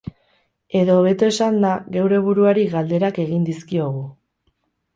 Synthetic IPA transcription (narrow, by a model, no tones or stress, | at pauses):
e̞ðo̞β̞e̞t̪ue̞sand̪aɣe̞wɾe̞β̞uɾuaɾiɣald̪e̞ɾake̞ɣind̪iskio̞ɣ̞u